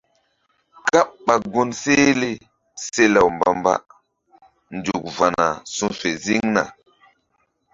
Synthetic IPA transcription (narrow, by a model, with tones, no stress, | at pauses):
ka˦pɓa˨ɡo˦nse˦le˦ | se˦la˨wmba˨mba̰˦ | nd͡ʒu˨k̚va˨na˨su˦fe˨zi˦ŋna̰˨